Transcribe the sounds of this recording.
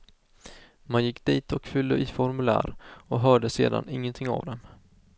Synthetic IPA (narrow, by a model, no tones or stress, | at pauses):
manjɪkːd̪̥iːt̪ʰɔkfʏld̪əʔiːfɔɾmɵlæ̰ːɾɔɦœːɖəseːd̪a̰nɪŋːənt̪ʰɪŋːa̰vd̪ɛm